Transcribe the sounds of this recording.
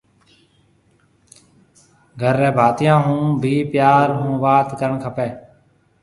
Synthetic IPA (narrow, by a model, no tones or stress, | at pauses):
ɡʱəɾːeːbʱaːt̪ɪjãːɦũːbʱiːpjaːɾɦũːʋaːt̪kəɾəɳkʰəpeː